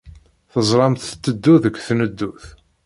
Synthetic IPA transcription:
θəzˤɾˤɑmt̪t̪ːəd̪ːuðəɡθnəd̪ːuθ

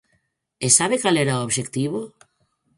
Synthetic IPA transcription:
esaβekalɛɾaooβʃekt̪iβo

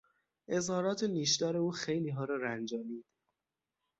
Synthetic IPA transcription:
ʔe̞zhɒːɾɒːt̪ʰeniːʃd̪ɒːɾe̞uːxejliːɦɒːɾɒːɾænd͡ʒɒːmiːd̪̥

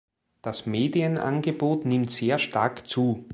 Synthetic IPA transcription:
d̥asmeːdiənʔa̰nɡəboːtnɪmtz̥eːɐʃtaɐkt͡suː

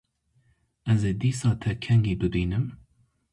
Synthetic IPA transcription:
ɛzeːd̪iːsɑːt̪ʰɛkʰɛŋɡiːb̪ɨd̪iːnɨm

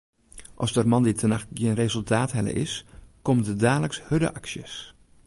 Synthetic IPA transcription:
ʔɔsdərmɑnditʰənaxtɡjenrezɵlˠtʰaːtɦɛlə̰ʔɪ̰skɔmdədaːləkshødə̰ʔɑksjə̰s

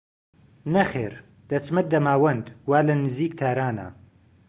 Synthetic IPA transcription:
nɐxḛːɾ | d̪̥ɐsmɐt̪̚d̪ɐmaːwɐnd̪waːlɐnɨziːkt̪ʰaːɾaːnɐ̰

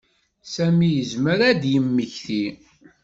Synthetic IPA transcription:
sæmijəzməɾæd̪jəmːəçθi

